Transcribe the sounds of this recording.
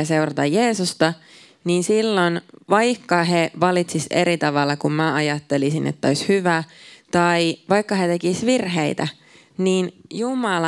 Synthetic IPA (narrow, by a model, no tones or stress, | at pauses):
ɑse̞urɑt̪ɑje̞ːsust̪ɑ | niːnsilːonʋɑjkːɑɦeʋɑlit̪sise̞̰ɾit̪ɑʋɑlːɑkummæɑjɑt̪ːe̞lisinḛt̪ːæojshyʋæt̪ɑiʋɑjkːɑɦet̪e̞kisʋirɦeit̪æ | niːnjumɑlɑ